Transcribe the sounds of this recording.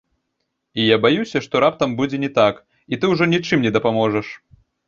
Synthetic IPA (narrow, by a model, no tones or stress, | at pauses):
ijabajusʲɐʂt̪ɔɾapt̪ɐmbud͡zʲɛnʲɛt̪ak | it̪ɨwʐɔnʲit͡ʂɨmnʲɛd̪ɐpamɔʐɐʂ